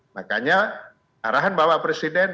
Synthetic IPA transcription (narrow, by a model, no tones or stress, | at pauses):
maka̰ɲa | aɾaɦanbawaʔpɾesidɛn